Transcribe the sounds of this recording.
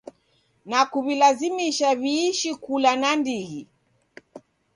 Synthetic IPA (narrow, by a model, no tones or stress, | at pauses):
nakuβilazimiʃaβiːʃikulanandiɣi